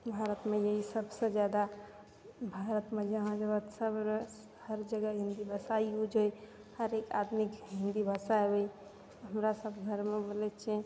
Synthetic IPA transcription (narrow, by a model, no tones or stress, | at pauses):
bʱaɾət̪mẽjəɦisəbsed͡ʒjad̪a | bʱaɾət̪mẽd͡ʒəɦãd͡ʒəbət̪səbɾ | həɾd͡ʒəɡəɦĩnd̪ibəsaiud͡ʒoj | həɾeka̰d̪mikɦĩnd̪ibəsaebəi | ɦəmɾasəbɡʱəɾmebolɛt͡ʃʰe